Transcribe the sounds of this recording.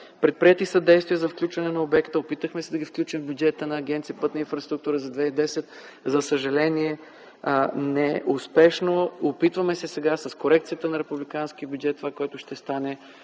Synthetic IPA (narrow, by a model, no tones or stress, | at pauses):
pɾɛt̪̚pɾiɛt̪isɐd̪ɛjst̪viəzɐfklʲut͡ʃvɐnɛnɐobɛkt̪əopit̪əxmɛsɛd̪ɐɡʲifklʲut͡ʃimvbʲjud͡ʒɛt̪ənɐːɡ̟ʲɛnt̪sijəpɤt̪nəinfɾɐst̪ɾukt̪uɾəzɐd̪vɛid̪ɛsɛt̪ | zɐsəʒɐlɛniɛ | nɛʔʊspɛʃnoopit̪vɐmɛsɛsɛɡasɐskoɾɛk̚t̪sijət̪ənɐɾɛpublikansk̟iəbʲjʊd͡ʒɛt̪ːovakoɔɛt̪ʊʃt̪ɛst̪anɛ